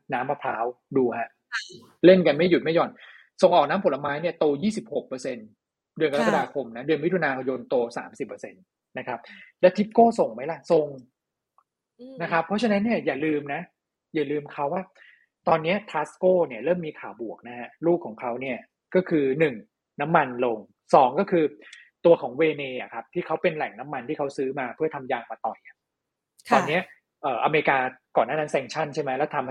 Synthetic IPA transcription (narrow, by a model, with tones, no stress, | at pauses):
naː˦˥mpa˧pʰaː˦˥w | duː˧ha˦˥ʔ | le˥˩nka˧nma˥˩ju˨˩ma˥˩jɔː˧˩n | so˨˩ŋʔɔː˨˩k̚naː˦˥pʰo˨˦la˧maː˦˥jni˥˩ɐt̪oː˧jiː˥˩si˨˩p̚ho˨˩k̚pːɤː˧se˧n | dɯ˧nka˧la˦˥ka˧daː˧kʰo˧mna˦˥dɯ˧ənwi˦˥t̪ʰu˧naː˧jo˧nt̪oː˧sa̰ː˩˦msi˨˩pːɤː˧se˧n | na˦˥kʰa˦˥p̚lɛː˦˥t̪ʰi˦˥p̚koː˥˩so˨˩ŋma˦˥jla˧˥˩so˧ŋ | na˦˥kʰa˦˥pʰːɔ˦˥t͡ɕʰa˧na˦˥nːi˥˩ɐjaː˨˩lɯː˧mna˦˥ | jaː˨˩lɯː˧mkʰa˦˥wːaː˥˩ | t̪ɔː˧nːi˦˥ɐt̪ʰaː˦˥skoː˥˩ni˥˩ɐɾɤː˥˩mːiː˧kʰaː˨˩wbu˨˩ək̚na˦˥ɦa˦˥ɾuː˥˩kʰːɔː˩˦ŋkʰa˦˥wni˥˩ɐ | kɔː˥˩kʰɯː˧nɯ˨˩ŋ | na˦˥mːa˧nlo˧ŋ | sɔː˩˦ŋkɔː˥˩kʰɯː˧t̪u˧ɐkʰɔː˩˦ŋweː˧neː˧ʔa̰˨˩kʰa˦˥p̚t̪ʰiː˥˩kʰa˦˥wpe˧nlɛ˨˩ŋna˦˥mːa˧nt̪ʰiː˥˩kʰa˦˥wsɯː˦˥maː˧pʰɯ˥˩ɐt̪ʰa˧mjaː˧ŋmaː˧t̪ɔː˨˩ja˨˩ | kt̪ɔː˧nːi˦˥ɐ | ʔɤː˨˩ʔa̰˧meː˧ɾi˧kaː˧kɔː˨˩nːaː˥˩a˦˥nsɛː˧ŋt͡ɕʰa˥˩nt͡ɕʰa˥˩jma˦˥jlɛ˦˥wt̪ʰa˧mh